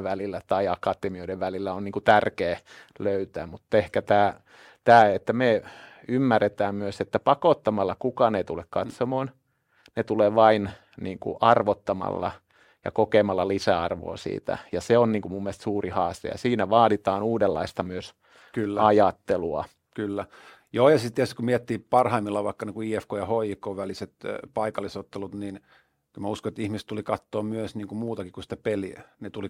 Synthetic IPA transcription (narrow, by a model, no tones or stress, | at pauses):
ʋælilːæt̪ɑiɑkɑt̪emioideʋʋælilːæonniːŋkut̪ærkeːløyt̪æːmut̪ːehkæt̪æː | t̪æːet̪ːæme | ymːærːet̪æːmmyøset̪ːæpɑkot̪ːɑmɑlːɑkukɑneit̪ulekkɑt̪somoːn | net̪uleːʋɑin | niːŋkṵʔɑrʋot̪ːɑmɑ̰lːɑ̰ | jɑ̰kokemɑlːɑlisæɑrʋo̰ːsḭːt̪æ̰jɑseonniːŋkumumːieælst̪suːrihɑːst̪ḛjɑ̰siːnæʋɑːɾit̪ɑːnuːdelːɑ̰ist̪ɑmyøs | kylːæɑjɑt̪ːeluɑ | kylːæ | joːjɑsit̪t̪iæst̪i̥kumiɛt̪ːiːpɑrhɑimːilːɑʋɑikːɑniːkuiːefkoːjɑhoikoːʋæliset̪pɑikɑlːˑisot̪ːelut̪nin | kylmæuskoet̪ihmist̪ulikɑt̪ːoːmyøsniːŋkumuːt̪ɑkikusi̥t̪æpeliænet̪uli